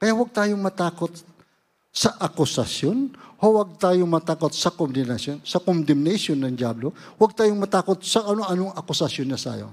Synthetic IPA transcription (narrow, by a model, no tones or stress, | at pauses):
kɐjaʔwɐɡ̚t̪aːjomɐt̪aːkot̪̚ | sɐʔɐkʊsɐsjonhowɐɡ̚t̪aːjomɐt̪aːkot̪̚sɐkond̪ɛnɐsjonsɐkond̪ɛmnɛsjonːɐŋd͡ʒaːblowɐɡ̚t̪aːjoŋmɐt̪aːkot̪̚sɐʔɐnoɐnoŋɐkʊsɐsjonːɐsa̰ːjo̰